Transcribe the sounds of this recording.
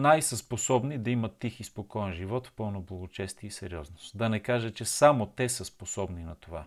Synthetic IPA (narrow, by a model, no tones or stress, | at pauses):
najsəsposɔbnid̪ɐimɐt̪ːixispokɔɛnʒivɔt̪fpɤlˠnoblˠɐɡot͡ʃɛst̪iəisɛɾiɔznost̪d̪ɐnɛkaʒət͡ʃɛsamot̪ɛsəsposɔbninɐt̪ova